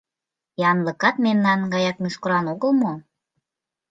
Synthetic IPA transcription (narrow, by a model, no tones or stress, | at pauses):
jɑnləkɑt̪̚memnɑnɡɑjɑk̚meʃkoɾɑnoɣəlmo